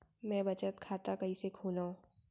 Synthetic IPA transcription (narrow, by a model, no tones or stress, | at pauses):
mɛ̃ːbɐt͡ʃət̪kʰaːt̪akɐɦisekʰuːnaõ